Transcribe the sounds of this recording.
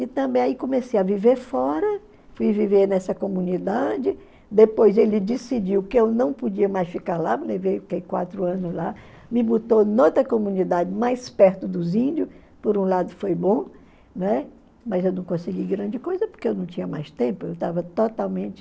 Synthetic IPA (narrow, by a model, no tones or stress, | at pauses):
ɪt̪ɐ̃bẽj̃aikõmesejɐviveɾfɔɾɐ | fujviveɾnɛsɐkomũnid̪ad͡ʒɪ | d̪epojzelɪd͡ʒisid͡ʒiwkɪewnɐ̃w̃pod͡ʒiɐmajsfikaɾlalevejkekwa̰t̪ɾʊɐ̃nʊzla | mɪbot̪onot̪ɾɐkomũnid̪ad͡ʒɪmajspɛɾt̪ʊd̪ʊzĩd͡ʒʊs | poɾũlad̪ʊfojbõ | nɛ | mɐzewnɐ̃w̃kõsɪɡiɡɾɐ̃nd͡ʒɪkojzɐpo̥ɾkeewnɐ̃w̃t͡ʃĩɲɐmajst̪ẽpʊewt̪avɐt̪ot̪awmẽnt͡ʃɪ̥